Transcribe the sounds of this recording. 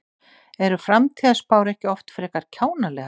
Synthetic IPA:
ɛɾʏfɾamt̪ʰiːðaspaːwɾɛhcɪɔft̪fɾɛːkaɾ̥cʰaːwnalɛɣ

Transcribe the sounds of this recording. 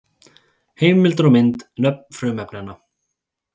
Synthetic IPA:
heːjmɪlt̪ɾɔmɪnt̪nœp̚nfɾʏːmɛpnana

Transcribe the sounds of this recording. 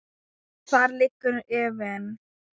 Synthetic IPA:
kfaːɾlɪkːʏɾɛːvɛn

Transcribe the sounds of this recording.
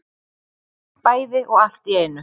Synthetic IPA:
pajðeʔoast̪jɛnə

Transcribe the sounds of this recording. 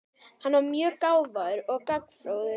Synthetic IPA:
hanːvaɾmjœːkaːwvaðʏɾɔɣkakːfɾoːwðʏ

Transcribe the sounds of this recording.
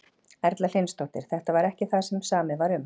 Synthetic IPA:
ɛɾt̪lalejnst̪oht̪ɪ̰ɾ̥θɛht̪avaɾɛhcɪθaðsɛmsaːmɪvaɾʏm

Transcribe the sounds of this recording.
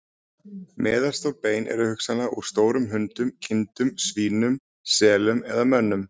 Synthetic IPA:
mɛːðḁst̪ɔɣpeːjnʔɛ̰ɾʏhʏksanaʔuɾ̥st̪oːwɾʏmɦʏnt̪ʏmcʰɪnt̪ʏmsviːnʏm | sɛːlʏmɛðamœnːʏm

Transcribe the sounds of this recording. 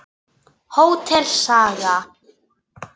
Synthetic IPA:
howt̪ʰɛl̥saːɣa

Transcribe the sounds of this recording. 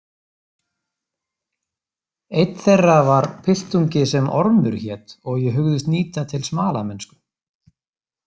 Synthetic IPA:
ejt̪θejrːavaɾ̥pʰɪl̥t̪uɲcɪsɛmʔɔɾmʏ̰ɾ̥çɛt̪ɔɣjɛɦʏɣðʏst̪niːt̪at̪ʰɪlsmaːlamɛnskʏ

